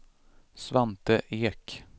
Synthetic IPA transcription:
sʋant̪əʔeːk

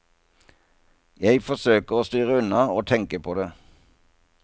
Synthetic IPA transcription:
jæɪfɔsøːkəʁoːst̪yːʁəʉnɑoːt̪ʰɛŋkəpʰoːd̪eː

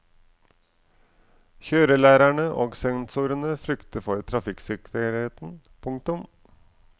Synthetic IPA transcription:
çøːɾəlæːɾæɳəʔoːɡsɛnsuːɾənəfɾʏkt̪əfɔɾt̪ʰɾɑfɪksɪkʰəɾheːt̪n̩ | pʰʊŋk̚t̪ʊm

